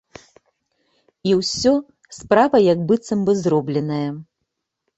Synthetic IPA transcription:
iwsʲɔ | spɾavɐjɐkbɨt̪sɐmbɨzrɔblʲɛnɐjɐ

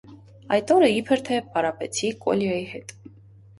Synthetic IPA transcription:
ɑjt̪ɔɾəipʰəɾt̪ʰɛpɑɾɑpɛt͡sʰikɔ̰ljɑjihɛt̪

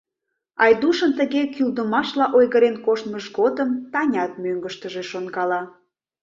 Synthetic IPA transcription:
ɑjd̪uʃənt̪əɣekyld̪əmɑʃlɑʔojɣəɾenkoʃt̪məʃɣod̪əmt̪ɑnʲɑt̪̚møŋɡəʃt̪əʒeʃonɡɑlɑ

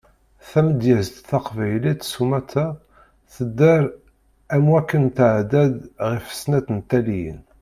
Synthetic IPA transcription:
θæməd̪jəzd̪θɑqvæjlit̪sumæt̪æ | θəd̪ːəɾ | æmwækːənt̪ʕd̪æd̪ʁifə̥snæt̪ənt̪ːælijə̰n

